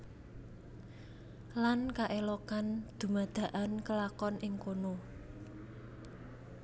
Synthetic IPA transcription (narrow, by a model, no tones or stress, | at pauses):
lankaʔelɔkand̪̥ṳmad̪̥ä̤ʔankəlakɔnʔɪŋkono